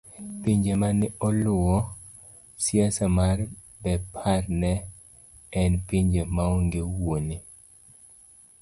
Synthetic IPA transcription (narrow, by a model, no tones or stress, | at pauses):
piɲd͡ʒemanɪʔɔlʊɔ | sjasamaɾ | bɛpʰaɾnɛ | ɛnpiɲd͡ʒemaɔŋɡewoni